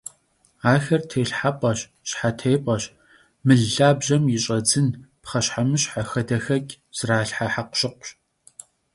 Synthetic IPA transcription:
aːxɐrtʰeːɬħapʼɐɕ | ɕħatʰeːpʼɐɕ | mɨɮaːbʒɐmjɪɕʼɐd͡zɨnpχɐɕħamɨɕħaxɐdɐxɐkʲʼ | z̥raːɬħaħaqʷʊ̥ɕɪqʷɕ

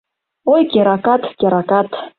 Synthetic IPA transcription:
ojkʲeɾakat̪kʲeɾakat̪

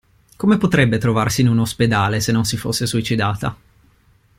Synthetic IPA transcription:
komepot̪ɾɛbːet̪ɾovarsiːnunosped̪aːlesenːonsifosːesuit͡ʃid̪aːt̪a̰

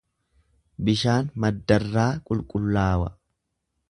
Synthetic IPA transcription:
bɪʃaːnmɐd̪ːɐrːaːkʼʊlkʼʊlːaːwɐ̰

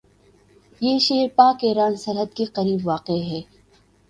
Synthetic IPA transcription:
jeːʃeːɾpaːkeɾaːnsɐɾɦəd̪keqɐɾiːbʋaːqeɦɛː

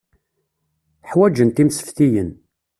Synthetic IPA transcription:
ħwæd͡ʒənt̪imsə̥fθijən

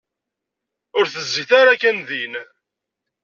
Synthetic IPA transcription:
ʊɾθəzːiθaɾakːænðin

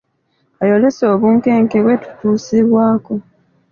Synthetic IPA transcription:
ajo̞le̞so̞ːβuːŋke̞ːŋkeβwe̞tu̥tuːsiβwaːko̞

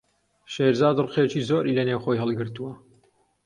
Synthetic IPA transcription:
ʃeːɾzaːd̪rqet͡ʃiːzoːɾʔilɐnewxojɦɐlˠɡɨɾt̪uwɐ

